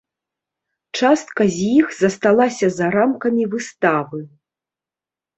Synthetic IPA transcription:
t͡ʂast̪kɐzʲjixzɐst̪alˠasʲɐzɐɾamkɐmʲivɨst̪avɨ

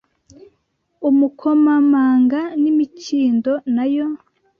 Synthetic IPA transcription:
umukʰomamaːŋɡanimiciːndonajo

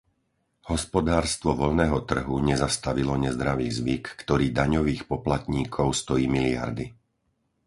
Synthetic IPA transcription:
hɔspɔd̪aːɾst̪ʋɔʋɔʎnɛːɦɔt̪r̩ɦuɲɛzast̪aʋilɔɲɛzd̪ɾaʋiːzʋikːt̪ɔɾiːd̪aɲɔʋiːxpɔplat̪ɲiːkʰɔʊst̪ɔjiːmilia̰ɾd̪i

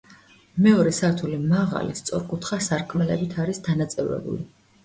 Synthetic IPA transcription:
mɛɔɾɛsaɾt̪ʰulimaʁa̰list̪sʼɔɾkʼut̪ʰχasaɾkʼmɛlɛbit̪ʰaɾisd̪anat̪sʼɛvɾɛ̰bṵli

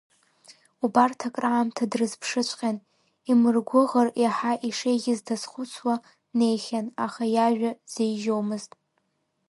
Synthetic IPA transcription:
ubartʰakʼraʕːmtʰadrɨzpʰʂɨt͡ʃʷʼqʲʼan | imɨrɡʷʊʁərjaħaʔiʂejɡʲɪzdazχʷʊt͡sʰwa | ne̞jχʲanaχajaʒᶣʷaz̥ejʒowmɨztʼ

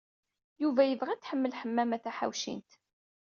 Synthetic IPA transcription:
juvæjəvʁæt͡sːħəmːəlħəmːæmæθæħa̰wʃḭnt̪

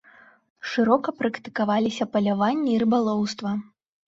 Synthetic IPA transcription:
ʂɨɾɔkɐpɾɐkt̪ɨ̥kavalʲisʲɐpɐlʲavanʲːiiɾɨbalˠɔwst̪vɐ

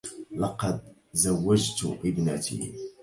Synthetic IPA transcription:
lɑqɑd̪̚zawːad͡ʒt̪ʔɪbnat̪ʰḭ

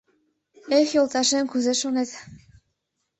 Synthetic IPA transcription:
exjolˠt̪ɑʃenkuzɘ̆ʃonet̪

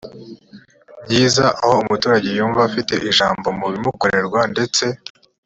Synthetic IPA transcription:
bɟiːzaʔaho̞umutuːɾaɟe̞juːɱvaːfite̞̰ʔiʒaːmbo̞muβimuko̞ɾe̞ɾɡwande̞t͡se̞

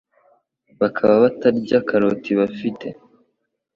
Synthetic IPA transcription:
βakʰaβaβataɾɟakʰaɾotiβafite̞

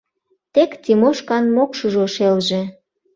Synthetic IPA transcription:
t̪ekt̪ʲimoʃkɑnmokʃuʒoʃelʒĕ

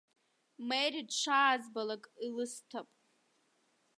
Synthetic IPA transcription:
mejridʂʷʰaːzbalakʼilɨstʰapʼ

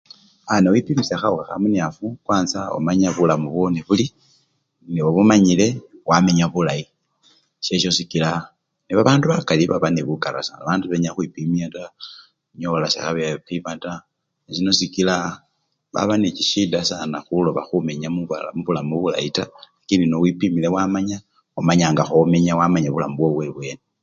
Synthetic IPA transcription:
anewipimisaxauxaxa̰muniafukwaːnsao̰maɲaβulamuβoneβuli | niwoβumaɲile̞wame̞ɲaβulai | ʃe̞ʃo̞sikila | niβaβaːnduβakaliβa̰βaneβukaɾa̰sa̰naβaːnduβeɲaxwipimiata | ɲolasḛxaβepimata | nisino̞sikila | βa̰βanet͡ʃiʃidasanaxulo̞βa̰xume̞ɲaumuβulamuβula̰italakindinowipimilewamaɲa | omaɲaːŋɡaxome̞ɲawamaɲaβulamuβwoβwe̞βwe̞ne

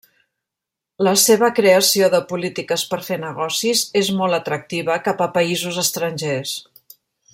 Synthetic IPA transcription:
ləseβ̞əkɾeəsioðəpulit̪ikəspəɾfenəɣɔsizezmɔlˠt̪ət̪ɾək̚t̪iβəkapəpəizuzəst̪ɾənʲʒes

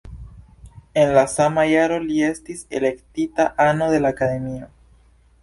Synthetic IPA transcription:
e̞nlasamajaɾo̞lie̞stise̞̰le̞ktitaʔanod̪e̞laːkade̞mio̞

